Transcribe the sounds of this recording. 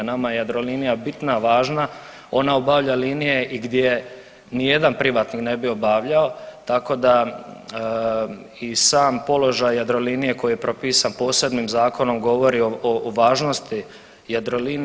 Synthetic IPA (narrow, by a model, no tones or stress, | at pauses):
namajjad̪ɾo̞linijabit̪naʋaːʒna | o̞naobaʋʎaliːnije̞ʔiɡd̪ʲje | nije̞d̪anpɾiʋaːt̪nikne̞bio̞baʋʎao̞t̪ako̞d̪a | isaːmpo̞lo̞ʒajːad̪ɾo̞linije̞ko̞jijepɾʔopiːsanpo̞ːse̞bniːmzaːko̞no̞mɡo̞ʋo̞ɾiooʋaːʒno̞st̪i | jad̪ɾo̞lin